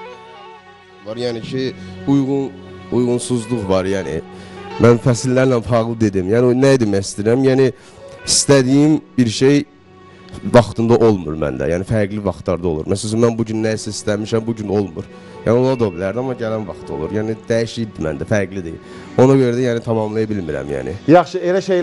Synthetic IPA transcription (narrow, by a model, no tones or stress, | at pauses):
vɑɾjæːnicʰiujʁunujʁunsuzlˠuɣvɑɾjæːnḭmænfæslːæɾnænfɑʁlˠɯd̪e̞d̪imjæːninæjd̪emæjist̪iɾæmjæːni | ist̪æd̪ijimbiɾʃe̞j | vɑχt̪ʰɯnd̪ɑʔo̞lˠmṵɾmæ̰nd̪æ̰jæːnifæɾɡlivɑχt̪lˠɑɾd̪ɑo̞lˠṵɾmæsælæsynmænbuɟynːæjisæist̪æmiʃæmbuɟyno̞lˠmṵɾ | jæ̰ːnɪolˠɑd̪obilæɾd̪iɑmːɑɟælænvɑχt̪ʰo̞̰lˠṵɾjæːnid̪̥æjiʃid̪imæ̰nd̪æfæɾɡlid̪ḭ | o̞nɑɟø̞ɾæd̪æjæːnit̪ʰɑmɑmlˠɑjɑbilmiɾæ̰mjæ̰ːnḭjɑχʃɯelæʃej